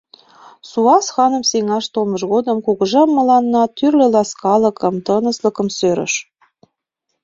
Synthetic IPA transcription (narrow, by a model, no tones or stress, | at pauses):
suɑsxɑnə̆mseŋɑʃt̪omɤʃɣod̪ə̆mkuɣɤʒɑmːɤ̆lɑnːɑt̪yrlølɑskɑlɤ̆kə̆mt̪ɤnə̆sləkə̆msøɾə̰̆ʃ